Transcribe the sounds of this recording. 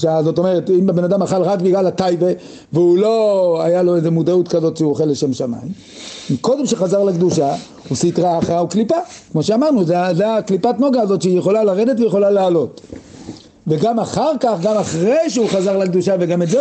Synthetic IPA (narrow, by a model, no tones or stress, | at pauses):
ʃazo̞to̞me̞ʁetimbebe̞nad̪amaχalʁakbiɡlalatajve | veulo̞ajalo̞ejze̞mudautkazo̞tʃeuoχelːeʃe̞mʃama̰jim | miko̞de̞mʃeχazaʁlakd̪uʃa | usitʁaχauklipakmo̞ʃeamaʁnuzezeaklipatno̞ɡaːzo̞tʃeijeχo̞lalaʁe̞d̪e̞tvejeχo̞laleːlo̞t | veɡamaχaʁkaχɡamaχʁejʃeuχazaʁlakd̪uʃaveɡametze